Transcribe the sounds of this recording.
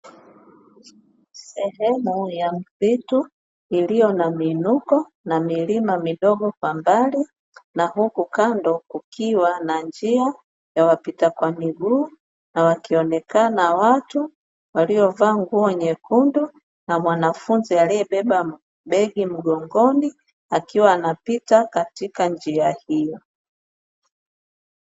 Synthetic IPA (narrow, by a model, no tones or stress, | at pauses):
sɛhɛmujam̩pitu | ilijɔnamiːnukɔ | namilimamiɗɔɡɔkwambali | naɦukukandɔkukʰiwanand͡ʒia | jawapitakwamiɡuː | nawakiɔnɛkanawatu | waliɔvaːŋɡuɔɲɛkundu | namwanafunzialijɛɓɛɓa | ɓɛɡim̩ɡɔŋɡɔni | akiwaːnapitakatikand͡ʒiahijɔ